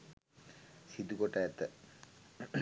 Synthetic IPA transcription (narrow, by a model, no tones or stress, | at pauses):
sid̪ukoʈajat̪ːə